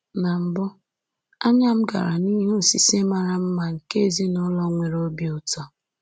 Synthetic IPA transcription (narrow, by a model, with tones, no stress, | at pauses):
na˨m̩˨bʊ˦ | a˦ɲa˦m̩˦ɡa̰˨ɾa˨ni˦ɦu˦˨si˨se˦ma˨ɾa˨m̩˦ma˨ŋ̩˨ke˦˨zi˦nɔ˦lɔ˦ŋʷe˨ɾo˦bi˦˨ʊ˨tɔ˦